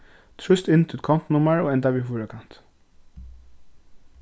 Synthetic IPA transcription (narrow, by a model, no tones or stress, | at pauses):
t̪ʰɹʏst̪ɪnt̪ʰuːt̪̚kʰɔn̥t̪nʊmaɹoːɛnt̪aʋiːfuːɹəkʰan̥t̪